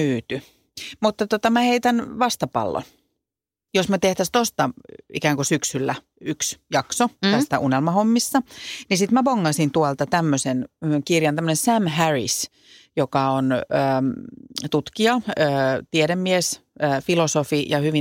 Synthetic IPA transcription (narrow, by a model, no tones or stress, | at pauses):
yːt̪y | mut̪ːɑt̪ot̪ɑmæheit̪ænʋɑst̪ɑpɑ̰lːo̰n | josmøt̪eht̪æst̪ost̪ɑḭkæːŋkosyksylːæ | yksjɑksot̪æst̪æʔunelmɑhomːisːɑnisit̪mæpoŋːɑsint̪uɑlt̪ɑt̪æmːøsenkirjɑnt̪æmːənensæmhærḭs | jokɑonøː | t̪ut̪kiɑøːt̪iɛɾemːiesəːfilosofijɑhyʋi